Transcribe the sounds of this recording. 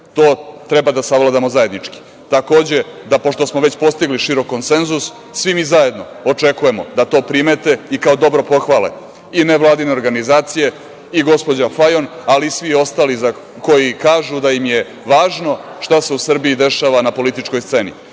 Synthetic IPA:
t̪o̞ːt̪ɾebad̪asaʋlˠad̪amo̞zaje̞d̪nit͡ʂki̥ | t̪ako̞ːd͡ʑe̞d̪apo̞ʃt̪o̞smo̞ʋet͡ɕpo̞st̪iɡliʃiɾokːonse̞nzusː | ʋimiːzaje̞d̪no̞ | ot͡ʂe̞kuje̞mo̞d̪at̪o̞ːpɾimet̪e̞ikao̞d̪o̞bɾo̞po̞xʋaːlḛ | ineʋlˠaːd̪ine̞o̞ɾɡanizaːt̪sije̞ | iɡo̞spo̞d͡ʑafajo̞nalisʋio̞st̪aːliza | ko̞jikaːʒud̪ajimje | ʋaːʒno̞ʃt̪ase̞usr̩biid̪e̞ʃaːʋanapo̞lit̪it͡ʃko̞jst̪se̞nḭ

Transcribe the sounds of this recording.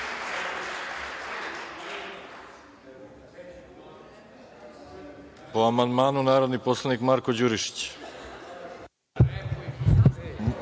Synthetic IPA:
poamand̪maːnunaːɾod̪niposlˠanikmaɾkod͡ʑuɾiʃi̥t͡ɕ

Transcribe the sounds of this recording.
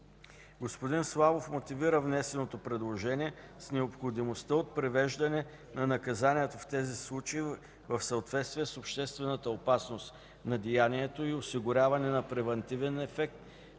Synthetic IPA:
ɡospod̪inslˠavofmot̪iviɾəvnɛsɛnot̪opɾɛd̪lˠoʒɛniɛ | snɛopxod̪imost̪əot̪̚pɾɛvɛʒd̪ɐnɛ | nɐnɐkɐzaniɛt̪oft̪ɛzislˠut͡ʃəi | vəfsɐot̪vɛt̪st̪viɛsopʃt̪ɛst̪vɛnət̪əopasnost̪ | nɐd̪ijaniɛt̪oiosiɡʊɾʲavɐnɛnɐpɾɛvɛnt̪ivɛnɛfɛk̚t̪

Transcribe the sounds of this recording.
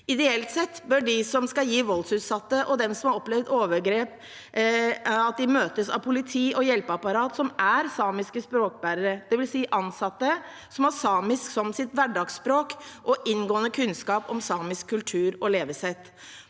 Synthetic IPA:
ɪd̪ɛɛlt̪sɛt̪ːbœɖɪsɔmskɑjiːʋɔlsʉːt̪sɑt̪ːəʔɔd̪ɛmsɔmhɑɾɔplɛʋd̪oːʋəɾɡɾeːp | ɑt̪̚d̪ɪmøːt̪əsɑ̰ʋpʰʊlɪt̪ʰiːʔɔjɛlpəɑpɑɾɑːt̪sɔmʔæɾsɑːmɪskəspɾoːk̚bæːɾəɾəd̪̥ɛʋɪlsiːʔɑnsɑt̪ːə | sɔmɑsɑːmɪsksɔmsɪt̪ʋæɖɑːɡspɾoːkʔɔʔɪnɡoːənəkʰʉnskɑːpɔmsɑːmɪskʰːʉlt̪ʰʉːɾɔleːʋəsɛt̪ː

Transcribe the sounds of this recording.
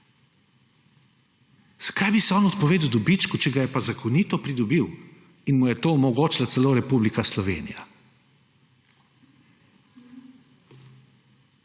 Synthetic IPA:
z̥ḁkajbisɛɔːnɔt̪pɔʋeːd̪wd̪ɔbit͡ʃkut͡ʃɛɡajɛpazakʰɔnit̪ɔpɾid̪ɔbiw | inmujɛt̪oːɔmɔɡoːt͡ʃlat̪sɛloːɾɛpublikaslɔʋḛːnḭja̰

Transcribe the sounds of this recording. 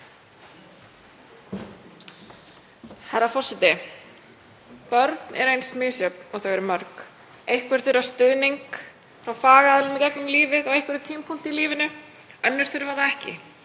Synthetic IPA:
haɾafɔr̥sɛt̪ɪ | pœɾt̪nʔɛ̰ɾejnsmɪːsjœpnɔθœɣɛɾmœɾk | ejhkvɛɾ̥θʏɾast̪ʏðniŋk | fɾawfaːɣaaðlʏmɛcɛknʏmliːvɪðɔɣejhkvɛɾʏt̪ʰiːmpʰun̥t̪ɪiliːvɪnʏ | œnːɪɾ̥θʏɾvaɾðaɛhcɪ̰

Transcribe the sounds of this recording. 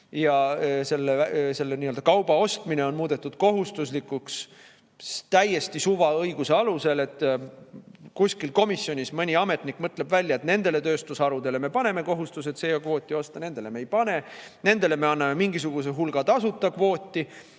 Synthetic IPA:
jɑse̞lːese̞lːeniːøld̪ɑkɑwb̥ɑo̞st̪mine̞o̞nmuːd̪̥e̞t̪ːˑud̪̥ko̞ɦust̪us̬likːˑuks | t̪æje̞st̪isuvɑɤjɡ̥use̞ɑluse̞le̞t̪ː | kusʲkilko̞misːjo̞nʲismɤnʲiɑme̞t̪nikːˑmɤt̪le̞bvælʲjɑet̪ne̞nd̪e̞le̞t̪ø̞ːst̪usɑɾud̪̥e̞le̞mepɑne̞me̞ko̞ɦust̪us̬e̞t̪sejɑkvo̞ːt̪ʲːˑio̞st̪ɑne̞nd̪e̞le̞mejpɑne̞ne̞nd̪̥e̞le̞me̞ɑnːɑme̞miŋɡ̥isuɡ̥us̬eɦulɡ̥ɑt̪ɑsut̪ːˑɑkvo̞ːt̪ʲːˑi

